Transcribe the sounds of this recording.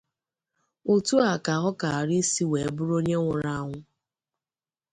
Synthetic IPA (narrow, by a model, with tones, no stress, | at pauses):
u˨tu˦a˨ka˨ɦɔ˦ka˨a˨ɾɪ˦si˦we˨bʊ˦ɾo˦ɲe˦ŋʷʊ˨ɾa˦ŋʷʊ˦